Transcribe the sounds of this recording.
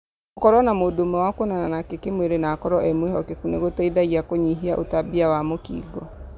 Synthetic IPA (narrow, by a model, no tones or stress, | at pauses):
okɔɾɔnamoːdoːmɛwakonananakekemweɾenakɔɾɔʔɛmweɦɔkekuneɣotɛidaiakoɲiɦiaʔo̰tabiawamokḭːɡɔ